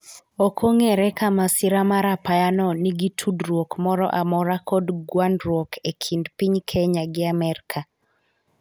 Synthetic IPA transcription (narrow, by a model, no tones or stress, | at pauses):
okʰoŋeɾɛkamasɪɾamaɾapajanɔniɡitʰudɾwokmɔɾɔ̰ʔamɔɾakodɡwanɾwokʰekʰindpiɲkʰeɲaɡɪamɛɾkʰa